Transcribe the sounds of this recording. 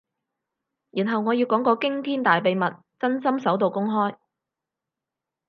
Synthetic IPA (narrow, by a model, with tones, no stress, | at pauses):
jyː˨˩nɦɐ˨wŋɔː˨˧jiː˨˧wkɔː˨˥ŋkɔː˧kɪ˥ŋt̪ʰiː˥nt̪aː˨jpe˨˧jmɐ˨t̚ | t͡sɐ˥nsɐ˥msɐ˨˥wt̪o˨wkʊ˥ŋɦɔː˥j